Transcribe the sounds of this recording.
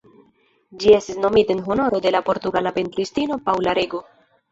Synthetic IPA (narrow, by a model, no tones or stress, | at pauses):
d͡ʒie̞stisno̞mitaenɦo̞no̞ɾo̞de̞lapo̞ɾt̪uɡalape̞ntɾistino̞pawlaɾeɡo